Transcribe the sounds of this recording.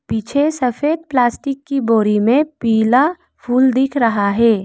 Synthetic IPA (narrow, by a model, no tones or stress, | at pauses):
pit͡ʃʰesɐfʰeːd̪̚plaːsʈɪkːiboːɾimẽpiːla | pʰuːld̪ɪkʰɾɐɦaɦɛː